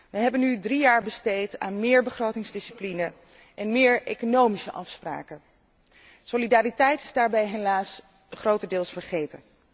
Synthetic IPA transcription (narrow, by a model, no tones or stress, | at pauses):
ʋəɦɛbənydrijaːɹbəstejta̰ːnmɪːɹbəχrowtɪŋzdɪsiplinə | ʔɛnmɪːɹejkonowmisəʔɑfspra̰ːkə | solidaːɾitɛjtɪ̥zdaːɹbɛjɦelaːs | χrowtədɪːlˠsfəɹχejtən